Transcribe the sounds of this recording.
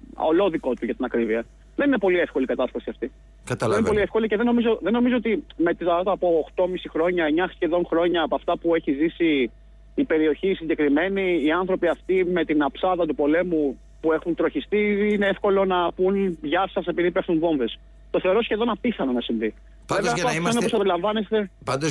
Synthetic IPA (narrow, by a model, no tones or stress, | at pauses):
o̰lo̞ðiko̞t̪uʝɐt̪inɐkɾiviɐ | ðe̞nine̞po̞liefko̞likɐt̪ɐst̪ɐsiɐft̪i | kɐt̪ɐeninepoliefko̞liceðeno̞mizo̞ðe̞nːo̞mizo̞ot̪ime̞t̪iɐɐt̪ɐːpo̞ːxt̪o̞misixɾo̞ɲɐeɲɐsçe̞ðo̞nxɾo̞ɲɐːpoɐft̪ɐpue̞çizisiː | pe̞ɾio̞çisiɲɟekɾime̞niːɐnθɾo̞piɐft̪ime̞t̪inɐpsɐðɐt̪upo̞le̞mu | pue̞xunt̪ɾo̞çist̪iine̞efko̞lo̞nɐpunʝɐsɐse̞piðipuexunvo̞ɱve̞s | t̪o̞θe̞oɾo̞sçe̞ðo̞nɐpiθɐnɐnɐsiɱvi | veveɐft̪otonposɐp̪eɾilɐɱvɐnest̪e̞pɐnd̪o